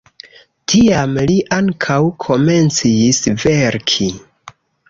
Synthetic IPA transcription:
tʰiamliʔaŋkʰawkʰo̞me̞nt͡sisve̞ɾkʰi

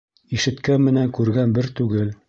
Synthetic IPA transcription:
iʃɘ̆t̪kænmɘ̆næŋkʉɾɡænbɘɾt̪ʉɡɘl

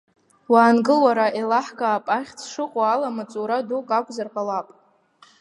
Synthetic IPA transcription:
waːnɡɨlwaɾaʔelaħkaːpʼaχʲt͡sʰʂɨqʷʼaalamat͡sʼuɾadukʼakʷʼzarqʼalapʼ

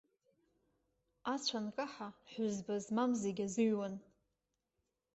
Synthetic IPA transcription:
at͡ɕʷʰankʼaħaħʷʊzbazmamzeɡʲazɨɥwan

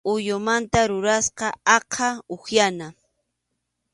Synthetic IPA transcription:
ʊjʊmant̪aɾʊɾasqɑɑqʰɑoxjana

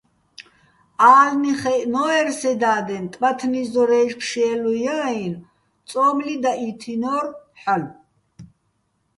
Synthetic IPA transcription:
aːlniχɛʔnɔɛɾsɛd̪aːd̪ɛnt̪ʼbat̪ʰnizɔɾɛːʃpʰʃɛːlujaːin | t͡s̪ʼɔːmlid̪ait̪ʰinɔɾħal

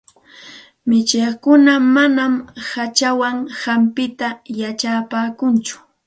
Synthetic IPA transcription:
mɪt͡ʃeχkʊnamanamhat͡ʃawaŋhampɪt̪ajat͡ʃaːpaːkʊnt͡ʃʊ̥

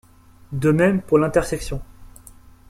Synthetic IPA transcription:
d̪əmɛmpuʁlɛ̃t̪ɛʁsɛksjɔ̃

